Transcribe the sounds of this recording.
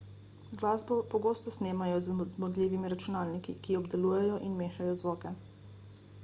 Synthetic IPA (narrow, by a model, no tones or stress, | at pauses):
ɡlaːzbɔpɔɡoːst̪ɔsneːmajɔzzmɔd̪liːʋimiɾat͡ʃunaːlnikḭkiɔbd̪ɛluːjɛjɔʔinmeːʃajɔzʋɔːkɛ